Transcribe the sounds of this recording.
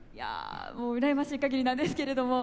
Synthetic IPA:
ja̰moːɯ̟ɾaemaɕiikaɡʲeɾʲinãnd̪e̞sɨ̥ke̞ɾe̞d̪o̞mo̞

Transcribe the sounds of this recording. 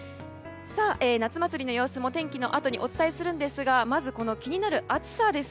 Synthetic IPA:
saːʔeːnat͡sɨmat͡sɨɾʲino̞jo̞ːsɨmo̞t̪ẽ̞ŋkʲino̞̰ʔat̪o̞ɲ̟iʔo̞t͡sɨ̥t̪aisɨɾɯ̟̃nd̪e̞sɨɡamazɨko̞no̞kʲiɲ̟inaɾɯ̟ʔat͡sɨ̥sad̪e̞s

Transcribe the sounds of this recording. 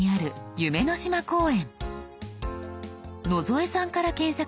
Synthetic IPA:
iaɾɯ̟jɯ̟me̞no̞ɕimako̞ːẽ̞ɴ | no̞zo̞e̞sãŋkaɾakẽ̞ɰ̃sa

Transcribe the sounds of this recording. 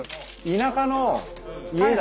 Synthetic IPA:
inakanoied̪a

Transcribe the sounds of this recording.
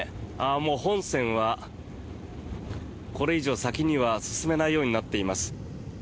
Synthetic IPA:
amo̞ːhõ̞ɰ̃sẽ̞ɰ̃βa | ko̞ɾe̞iʑo̞ːsakʲiɲ̟iβasɨ̥sɨme̞naijo̞ːɲ̟inat̪ːe̞imasɨ̥

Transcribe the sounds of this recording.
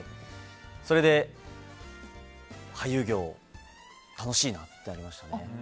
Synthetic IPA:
so̞ɾe̞d̪e̞ | hajɯ̟ːɡʲo̞ː | t̪ano̞ɕiːnat̪ːe̞naɾʲimaɕi̥t̪ane̞

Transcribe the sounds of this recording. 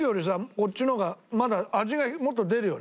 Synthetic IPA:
ɯjo̞ɾʲis̬ako̞tt͡ɕːino̞ɡamad̪aːʑiɡamo̞t̪ːo̞d̪e̞ɾɯ̟jo̞ː

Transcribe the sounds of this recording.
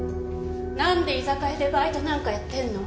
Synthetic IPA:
nãnd̪e̞isakaid̪ebait̪onãŋkajat̪ːeenːo

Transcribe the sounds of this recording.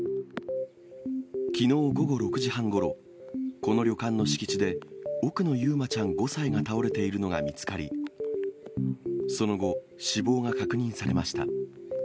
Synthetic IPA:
kʲino̞ːɡo̞ɡo̞ɾo̞kɯ̟ʑihãŋɡo̞ɾo̞ | ko̞no̞ɾʲjo̞kãnːo̞ɕi̥kʲi̥t͡ɕid̪e̞o̞kɯ̟no̞jɯːmat͡ɕãŋɡo̞saiɡat̪ao̞ɾe̞t̪e̞iɾɯno̞ɡa̰mʲit͡sɨ̥kaɾʲḭ | so̞no̞ɡo̞ | ɕibo̞ːŋakakɯ̟ɲ̟ĩɰ̃saɾe̞maɕi̥t̪a̰

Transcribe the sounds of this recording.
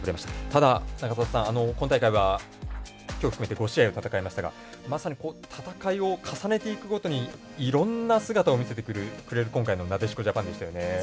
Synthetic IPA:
bɯɾemaɕi̥tḁt̪ad̪anakat̪at̪ḁsãɰ̃ano̞kont̪aikaiβa | kʲoːɸɯkɯme̞t̪eɡo̞ɕiaio̞t̪at̪akaimaɕt̪aɡa̰ | masaɲ̟iko̞ːt̪ʰat̪akaio̞kʰasane̞t̪e̞ikɯ̟ɡo̞t̪o̞ɲ̟i | iɾõ̞nːasɨɡat̪ao̞mʲise̞t̪̬e̞kɯ̟ɾɯ̟kɯ̟ɾe̞ɾɯ̟kõ̞ŋkaino̞nat̪e̞ɕ̬i̥ko̞ʑapãnd̪e̞ɕit̪ajo̞ne̞

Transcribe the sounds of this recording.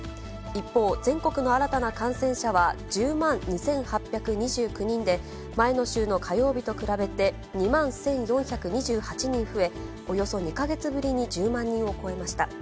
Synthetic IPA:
ipːo̞ːzẽ̞ŋko̞kɯ̟no̞aɾat̪anakãɰ̃sẽ̞ɰ̃ɕaβad͡ʑɨːmãnɲisẽ̞ɰ̃hapʲːjakɯ̟ɲ̟iʑɨːkɯ̟ɲ̟ĩnd̪e̞ | maeno̞ɕɨːno̞kʰajo̞ːbʲit̪o̞kɯ̟ɾabe̞t̪e̞ | ɲ̟imãɰ̃sẽ̞ɰ̃jõ̞ɰ̃çakɯ̟ɲ̟iʑɨːhat͡ɕiɲĩɰ̃ɸɯ̟e̞ | o̞jo̞so̞ɲ̟ikaɡe̞t͡sɨbɯ̟ɾʲiɲ̟id͡ʑɨːmãɲ̟ːĩɰ̃o̞ko̞e̞maɕi̥t̪a̰

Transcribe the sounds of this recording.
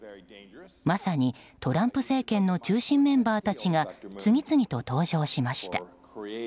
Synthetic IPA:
masaɲ̟it̪o̞ɾãmpɯ̟se̞ːkẽ̞nːo̞t͡ɕɨːɕĩmːẽ̞mbaːt̪at͡ɕiŋat͡sɨŋ̟ʲit͡sɨŋ̟ʲit̪o̞t̪o̞ːʑo̞ːɕimaɕi̥t̪ḁ̰

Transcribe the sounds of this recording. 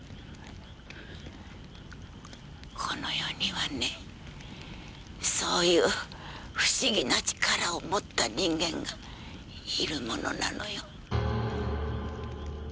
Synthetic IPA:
kʰono̞jo̞ːɲiβane | so̞ːjɯː | ɸɯ̟̥ɕiɡʲinat͡ɕi̥kaɾaomot̪ːaɲĩŋɡẽ̞ŋɡa | iɾɯ̟mo̞no̞̰na̰no̞̰jo

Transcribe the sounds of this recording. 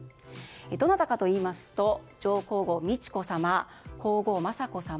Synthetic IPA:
ed̪o̞nat̪akat̪o̞iːmasɨ̥t̪o̞ | d͡ʑo̞ːko̞ːɡo̞mʲit͡ɕi̥ko̞sama | ko̞ːɡo̞ːmasako̞sam

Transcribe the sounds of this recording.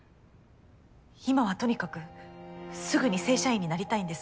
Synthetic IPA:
imaβ̞at̪o̞ɲ̟ikakɯ̟ | sɨɡɯ̟ɲ̟ise̞ːɕaĩɲ̟ːinaɾʲit̪aĩnd̪e̞s

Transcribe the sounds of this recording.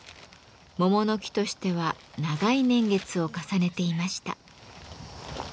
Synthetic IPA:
mo̞mo̞no̞kʲi̥t̪o̞ɕi̥t̪e̞βa | naɡainẽ̞ŋɡe̞t͡sɨo̞kasane̞t̪e̞imaɕi̥t̪a̰

